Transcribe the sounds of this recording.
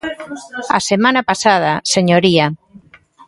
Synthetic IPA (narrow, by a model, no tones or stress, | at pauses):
a̰semanapasað̞aseɲoɾia